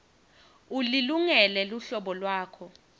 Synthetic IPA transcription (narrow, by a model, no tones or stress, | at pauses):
uliluŋɛlɛluɬɔɓɔlwaːkʰɔ